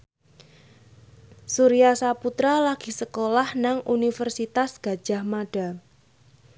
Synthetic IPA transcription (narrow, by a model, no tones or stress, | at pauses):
suɾijasaput̪ɾalaɡ̥i̤səkolahnaŋunifərsit̪asɡ̥a̤d̥ʒ̥ahmaɖ̥a̤